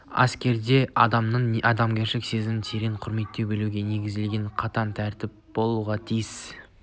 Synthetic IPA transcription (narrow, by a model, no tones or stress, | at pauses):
ɑ̰skʲe̞ɾd̪e̞ɑ̰d̪ɑmnəɴɑd̪ɑmɡʲe̞ɾʃɪkse̞zɪmɪnt̪ʰe̞ɾeɴqʰʊɾme̞t̪ːe̞wbe̞luɡʲe̞ne̞ɡʲɪzd̪elɡʲe̞ɴqʰɑt̪ɑnt̪ʰæɾt̪ɪp̚b̥o̞lˠuʁɑt̪ʰijɪs